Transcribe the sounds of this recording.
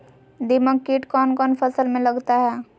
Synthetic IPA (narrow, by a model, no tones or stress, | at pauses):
d̪ɪməɡkiʈkɔːnkɔːnpʰəsəlmẽləɡt̪aɦɛː